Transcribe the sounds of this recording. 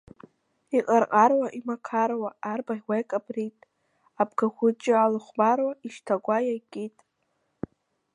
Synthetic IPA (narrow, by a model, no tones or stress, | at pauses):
iqʼarqʼarwaʔimakʰarwaːrbaiwʷajkʼabrijtʼ | abɡaχʷʊt͡ʃʼɪalɨχʷbarwaiʃtʰaɡʷajakʲʼitʼ